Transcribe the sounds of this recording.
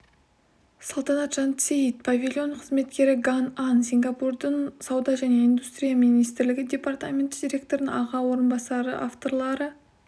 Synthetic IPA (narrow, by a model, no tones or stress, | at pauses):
solˠt̪ɑnɑt̪ʒ̥ɑnt̪sʲeit̪̚pʰavʲilʲjo̞nqʰəzme̞t̪kʲe̞ɾɪɡanansʲiŋɡapurd̪ənsɑwd̪ɑʒæne̞ijnd̪ust̪ɾʲijaminijst̪ɪɾlɪɡʲɪd̪ʲe̞part̪amʲe̞nt̪d̪ʲiɾʲe̞k̚t̪o̞ɾənəŋɑʁɑwo̞ɾənbɑsɑɾə̰ʔaft̪o̞ɾlˠɑɾə